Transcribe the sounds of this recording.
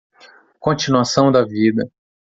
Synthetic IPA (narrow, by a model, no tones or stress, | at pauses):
kõt͡ʃinuasɐ̃w̃d̪ɐvid̪ɐ